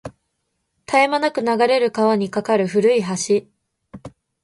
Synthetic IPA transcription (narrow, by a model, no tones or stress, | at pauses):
t̪aemanakɯ̟naɡaɾe̞ɾɯ̟kaβaɲ̟ikakaɾɯ̟ɸɯ̟ɾɯ̟iɦaɕi